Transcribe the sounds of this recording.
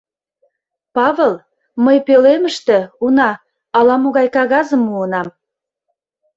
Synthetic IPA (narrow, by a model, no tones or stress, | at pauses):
pɑβelˠ | məjpeleməʃt̪ĕunɑ | ɑlɑmoɣɑjkɑɣɑzəmuənɑm